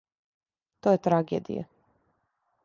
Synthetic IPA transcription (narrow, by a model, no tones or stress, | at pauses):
t̪ojet̪ɾaɡḛːd̪ḭja̰